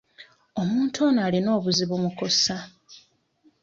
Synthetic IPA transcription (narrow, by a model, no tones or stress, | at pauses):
o̞muːntʰoːnaːlino̞ːβuziβumuko̞sa